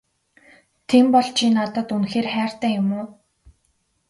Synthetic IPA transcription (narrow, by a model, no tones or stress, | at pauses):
t̪ʰempɔɮt͡ɕʰinat̪ə̆t̪unxeːrχæːr̥t̪æːjʊmʊː